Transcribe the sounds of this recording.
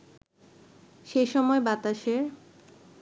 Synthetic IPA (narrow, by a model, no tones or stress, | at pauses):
ʃejʃɔmɔebat̪aʃeɾ